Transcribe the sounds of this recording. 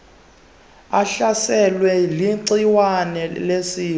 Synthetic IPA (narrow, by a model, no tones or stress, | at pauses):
aɬasɛlwɛliǀiwanɛlesiː